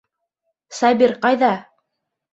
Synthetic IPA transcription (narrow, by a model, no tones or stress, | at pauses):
sɑbʲiɾqɑjðɑ